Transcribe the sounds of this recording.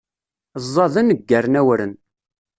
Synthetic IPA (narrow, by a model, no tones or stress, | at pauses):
zˤːɑðənːəɡːæɾnæwɾən